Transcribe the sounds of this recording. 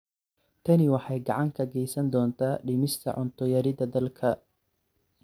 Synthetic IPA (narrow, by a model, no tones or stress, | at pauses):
t̪ʰɐnɪwɑħɑjɡɑʕɑŋkʰɐɡɛjsɐnd̪ɔːnt̪ʰaːɖɪmɪst̪ʰɐ̰ʕʊnt̪ʰɔjɐɾɪðɐd̪ɐlkʰɐ